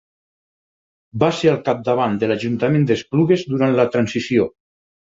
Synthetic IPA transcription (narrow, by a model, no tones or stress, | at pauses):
baseɾalˠkap̚d̪aβand̪elaʒunt̪amẽnd̪espluɣezd̪uɾant̪lət̪ɾansisio